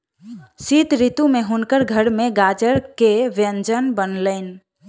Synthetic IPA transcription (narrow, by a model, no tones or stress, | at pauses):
sit̪ɾit̪umeɦʊnkəɾɡʱəɾmẽɡad͡ʒəɾkeʋjənd͡ʒənbənləɪn